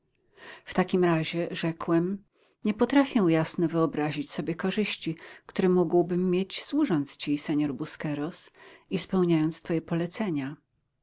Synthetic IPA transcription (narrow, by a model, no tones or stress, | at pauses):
ft̪akʲimɾaʑɛʐɛkwɛm | ɲɛpɔt̪ɾafʲjɛw̃jasnɔvɘɔbɾaʑit͡ɕsɔbʲjɛkɔʐɘɕt͡ɕikt̪uɾɛmuɡwbɘmːʲjet͡ɕswuʐɔnt̪st͡ɕisɛɲɔɾbuskɛɾɔsispɛwɲajɔnt̪st̪fɔjɛpɔlɛt̪sɛɲa